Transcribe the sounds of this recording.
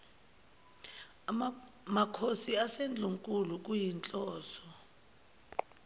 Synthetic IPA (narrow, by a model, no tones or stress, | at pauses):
makʰosiasend͡ɮʱuŋkʼuluk̬ʼujint͡ɬʼɔːsɔ